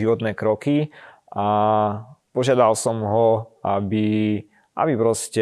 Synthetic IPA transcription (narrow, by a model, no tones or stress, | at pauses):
iʋɔt̪nɛːkɾɔki | ʔa | pɔʒɪad̪alsɔmɦɔʔabi | ʔa̰bipɾɔscɛ